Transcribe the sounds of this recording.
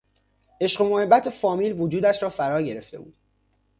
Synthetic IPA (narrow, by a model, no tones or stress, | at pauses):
e̞ʃɢemohe̞bːæt̪ʰefɒːmiːlvod͡ʒuːd̪æʃɾɒːfæɾɒːɟe̞ɾe̞ft̪e̞bṵːd̪̥